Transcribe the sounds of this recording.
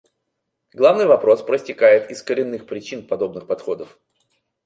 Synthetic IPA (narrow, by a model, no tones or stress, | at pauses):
ɡlˠavnɨjvɐpɾo̞spɾəsʲtʲɪkajɪt̪ɪskəɾʲɪnːɨxpɾʲɪt͡ɕinpɐd̪o̞bnɨxpɐt̪xo̞d̪əf